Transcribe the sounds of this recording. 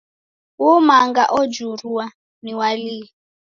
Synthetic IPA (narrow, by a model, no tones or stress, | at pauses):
wumaŋɡaʔɔd͡ʒuɾuwa | niwaliː